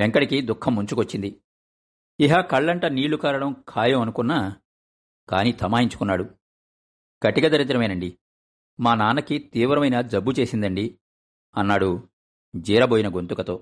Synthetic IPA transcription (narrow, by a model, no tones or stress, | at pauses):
eŋkɐɽikid̪ukʰːɐmːuɲt͡ʃukʋɐt͡ʃːind̪i | iɦaːkɐɭːɐɳʈɐniːɭukaːɾɐɽɐmkʰaːjɐmɐnukunːaː | kaːnit̪ʰɐmaːiɲt͡ʃu̥kunːaːɽu | kɐʈiɡɐd̪ɐɾit̪ɾɐmɐjnɐɳɖi | maːnaːnɐkit̪iːʋɾɐmɐjnɐd͡ʒ̪ɐbːut͡ʃe̞ːsind̪ɐɳɖi | ɐnːaːɽu | d͡ʒiːɾɐboːjinɐɡo̞nt̪ukɐt̪o̞ː